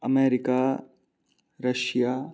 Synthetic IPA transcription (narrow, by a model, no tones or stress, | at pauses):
ɐmeːɾɪkaː | ɾɐʃjaː